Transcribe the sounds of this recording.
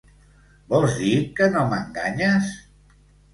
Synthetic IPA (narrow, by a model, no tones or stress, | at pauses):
bɔlˠzðikənoməŋɡaɲəs